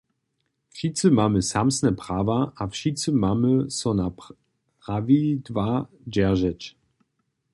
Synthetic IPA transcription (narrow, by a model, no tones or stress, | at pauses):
fʃit͡səmaməsamsnɛpʁ̥aːvaafʃit͡səmaməsɔna | ʁavidva | d͡ʒɛɐʒɛt͡ʃ